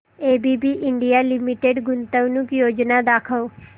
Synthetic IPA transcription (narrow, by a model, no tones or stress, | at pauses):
eːbʱibʱiʔɪ̃ɳɖijalɪmiʈeɖɡʊnt̪əʋnukjoːd͡ʒnad̪aːkʰəw